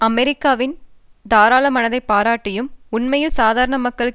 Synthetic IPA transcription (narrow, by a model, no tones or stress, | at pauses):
ɐmɛɾɪkːaːʋɪnd̪aːɾaːlɐmɐnɐðɐɪpːaːɾaːʈːɪjɯmʊnmɐjɪlsaːðaːɾɐɳɐmɐkːɐɭɯ